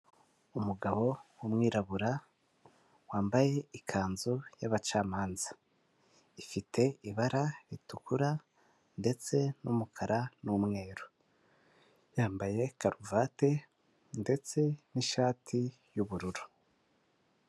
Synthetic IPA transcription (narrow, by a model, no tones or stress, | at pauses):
umuɡaβo̞wumŋiːɾaβuɾa | waːmbaje̞ikʰaːnzojaβat͡ʃaːmaːnzḁ | ifitʰe̞iβaɾaɾitukuɾa | nde̞t͡se̞numukʰaɾʔanumŋe̞ːɾo | jaːmbaje̞kaɾuvate̞ | nde̞t͡se̞niʃaːtʰi | juβuɾuɾu